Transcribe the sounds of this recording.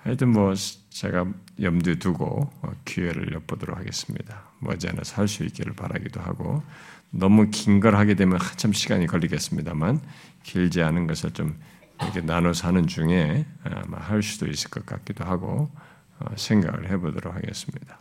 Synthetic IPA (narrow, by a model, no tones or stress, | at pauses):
hait͈ɯnmʌ | t͡ɕe̞̰ɡajʌmdetuɡo̰kueɾɯ̰ɭjʌp͈odʌɾo̰k̚ʰaɡe̞s͈ɯ̥mɲida | mʌ̰d͡ʑia̰nɯnsʰaɭs͈uḭk͈eɾɯ̰ɭpaɾa̰ɡidoɦa̰ɡo̰ | nʌmukiŋɡʌɾɦaɡedwe̞mjʌnat͡ɕʰamɕʰiɡaɲikʌʎːiɡe̞s͈ɯmɲidaman | kiʎd͡ʑianɯnɡʌsʰɯɭt͡ɕom | iɾʌkʰe̞nanosʰanɯnt͡ɕuŋḛma̰haɭs͈ud̥ois͈ɯ̥ɭk͈ʌt̚k͈a̰k͈idoɦaɡo | ʌsʰe̞ŋɡa̰ɡɯ̰ɭhe̞bodʌɾokhaɡe̞̰s͈ɯmɲid̥ḁ